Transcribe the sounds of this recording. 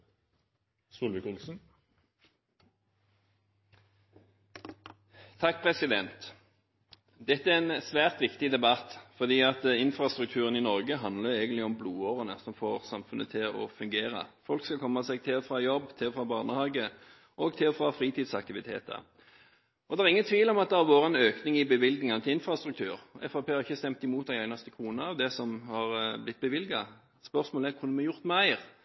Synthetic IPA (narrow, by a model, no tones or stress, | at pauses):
suːlʋəkʊlsn̩ | t̪ʰɑk̚ːpʰʁɛsɪd̪ɛnt̪ | d̪ɛt̪ːəæɛɛnsʋæːʁt̪ʋɪkt̪ɪd̪ɛbɑt̪fɔd̪iːɑt̪ɪnfɾɑst̪ʁʉk̚t̪ʰʉːʁəniːnɔʁɡəɦɑnd̪ləɛːɡənɪɔmbluːoːʁənəsɔmfoːʁsɑmfʉnət̪ʰɪlɔfʉŋɡeːʁə̰fɔlkskɑlkʰɔmːɑsɛɡ̚t̪ʰɪlɔfɾɑjɔbːt̪ʰɪlɔfɾɑbɑʁnəhɑːɡə | ʔɔɡt̪ʰɪlɔfɾɑfɾiːt̪iːd̪sɑk̚t̪ɪʋɪt̪ʰḛːt̪ə̰ | ɔd̪ɛæɾʁɪŋːənt̪ʰʋiːlɔmɑt̪̚d̪ɛæɾʋoːɾəɛnøːknɪŋɪbəʋɪlɡnɪŋɑnət̪ʰɪlɪnfɾɑst̪ɾʉkt̪ʰʉːɾɛ̰fɑpʰeːhɑɾʁɪçːəst̪ɛmt̪ɪmuːt̪d̪æɪæɪnɑst̪əkʰɾuːnɑɑʋd̪ɛsɔmhɑʁblɪt̪̚bəʋɪlɡɑ | spœʁsmoːlɛkʰʊnmɛjʊʁt̪mæɪʁ